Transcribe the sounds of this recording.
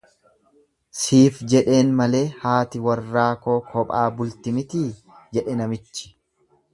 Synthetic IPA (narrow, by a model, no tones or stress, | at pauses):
siːfd͡ʒɛᶑe̞ːnmɐle̞ːhaːt̪ɪwɐrːaːkoːkʰɔpʼaːbʊlt̪ɪmɪt̪iː | d͡ʒɛᶑɛnɐmɪt͡ʃːɪ̥